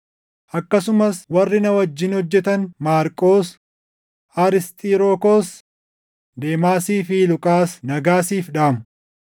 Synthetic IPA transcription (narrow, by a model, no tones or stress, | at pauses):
ʔɐkːɐsʊmɐswɐrːɪnɐwɐd͡ʒːɪnhɔd͡ʒːɛt̪ɐnmaːɾkʼoːs | aːɾɪst̪ʼiːɾoːkoːs | d̪e̞ːmaːsiːfilʊkʼaːsnɐɡaːsiːfᶑaːmʊ